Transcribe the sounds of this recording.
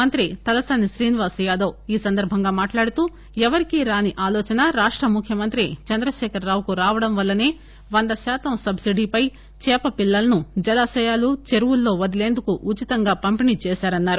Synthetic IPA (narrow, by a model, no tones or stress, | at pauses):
mɐnt̪ɾit̪ɐlɐsaniʃɾiːniʋaːsjaːd̪ɐwiːsɐnd̪ɐɾbʱɐŋɡaːmaːʈlaːɽut̪uː | ɛʋɐɾikiɾaːniʔaːlɔːt͡ʃɐnɐɾaːʂʈɾɐmukʰːjɐmɐnt̪ɾit͡ʃɐnd̪ɾɐʃɛːkɐɾːaːwkuɾaːʋɐɽɐmʋɐlːɐneː | ʋɐnd̪ɐʃaːt̪ɐmsɐbsiɖipɐj | t͡ʃɛːpɐpilːɐlɐnud͡ʒɐlɐʃɐjaːlut͡ʃeɾuwulːo̞ːʋɐd̪ile̞ːnd̪ukuʔut͡ʃit̪ɐŋɡaːpɐmpinit͡ʃɛːʃaːɾɐnːaːɾu